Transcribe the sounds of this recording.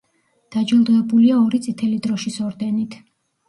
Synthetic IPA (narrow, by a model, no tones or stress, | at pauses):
d̪̥ad͡ʒilˠd̪ʁɛbuliaɔɾit̪sʼit̪ʰɛlid̪ɾɔʃisɔɾd̪ɛnit̪ʰ